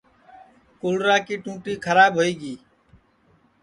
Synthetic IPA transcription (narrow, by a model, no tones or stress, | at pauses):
kʊlɾaːkiːʈũːʈiːkʰəɾaːɓɦoːiːɡiː